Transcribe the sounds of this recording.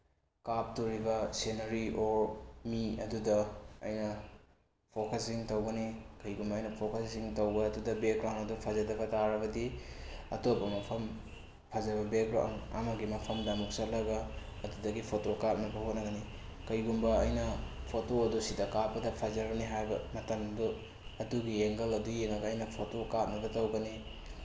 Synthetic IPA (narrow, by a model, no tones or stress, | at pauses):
kap̚tuɾibɐsenɐɾiʔoɾmiɐ̰dudɐɐ̰jnɐ | pʰokɐsiŋtɐwɡɐnikɐjɡumbɐːjnɐpʰokɐsdiŋtɐwɡɐːdudɐbek̚ɡɾawnɐdupʰɐzɐdɐbɐtaɾɐβɐdiɐ̰topːɐmɐpʰɐm | pʰɐzɐbɐbek̚ɡɾa̰wnɐ̰mɐɡimɐpʰɐmdɐmuk̚sɐlɐɡɐ | ɐdudɐɡipʰotokap̚nɐbɐhotnɐɡɐnikɐjɡumbɐɐjnɐpʰotoɐdusidɐkapːɐdɐpʰɐzɐɾbɐniɦajbɐmɐtɐmdu | ɐduɡieŋɡɐlɐdueŋɐɡɐːjnɐpʰotokap̚nɐbɐtɐwɡɐni